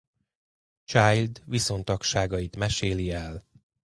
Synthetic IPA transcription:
t͡ʃaːjld̪ʋiso̞nt̪ɒkʃaːɡɒjit̪mɛʃeːliɛl

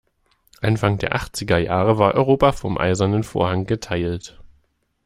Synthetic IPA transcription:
ʔanfaŋdeːɐʔaχt͡sɪɡɐjaːʁəvaːɐʔɔʏʁoːpafɔmʔa̰ɪzɐnənfo̰ːɐhaŋɡətʰaɪlt

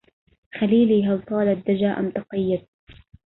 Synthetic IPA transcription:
xaliːliːɦɑwt̪ˤɑːlad̪ːad͡ʒaːʔa̰mt̪ɑqɑjːad̪̚

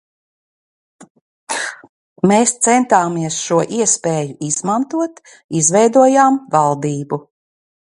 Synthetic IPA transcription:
meːst̪sɛnt̪aːmiɛsʃuɔʔiɛspeːjuʔiz̥mant̪uɔt̪ | izvɛjd̪uɔjaːmvalˠd̪iːbu

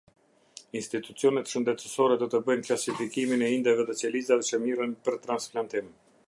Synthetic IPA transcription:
inst̪it̪ut͡siɔnɛt̪ʃənd̪ɛt̪əsɔɾɛd̪ɔt̪əbəjnklasifikiminɛind̪ɛvɛðɛt͡sɛlizavɛt͡ʃəmirənpəɾt̪ɾansplant̪im

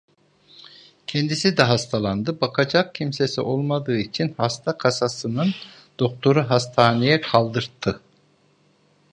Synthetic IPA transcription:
cʰɛnd̪isid̪ɛɦast̪ʰalˠand̪ɯbakʰad͡ʒak̚cʰimsesiʔo̞lˠmad̪ɯːit͡ʃʰinhast̪ʰakʰasasɯnɯn | d̪̥o̞k̚t̪ʰo̞ɾuɦast̪ʰaːnijɛkʰalˠd̪ɯɾt̪ʰːɯ

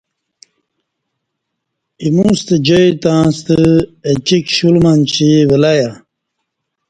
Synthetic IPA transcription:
imũst̪əd͡ʑojt̪ãːst̪əet͡ɕikɕulmant͡ɕiwelaja

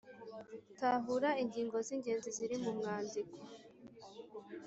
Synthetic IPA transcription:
taɦuɾaiɲɡiːŋɡo̞ziŋɡe̞ːnziziɾimumŋaːnziko̥

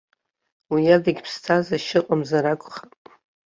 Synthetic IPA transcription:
wijadaɡʲpʰstʰazaʃɪqʼamzaɾakʷʰʼχapʼ

